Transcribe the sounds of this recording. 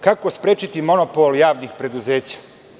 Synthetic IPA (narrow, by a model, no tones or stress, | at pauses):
kako̞spɾeːt͡ɕit̪imo̞nopoljaːʋnixpɾe̞d̪uze̞ːt͡ɕḁ